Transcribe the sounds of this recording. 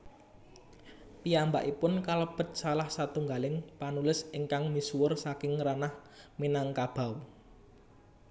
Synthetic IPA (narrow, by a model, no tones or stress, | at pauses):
piamba̰ʔipʊnkaləb̥ə̤t̪̚salahsat̪uŋɡalɪŋpanulɪsiŋkaŋmisuwʊrsakɪŋranahminaŋkab̥a̤w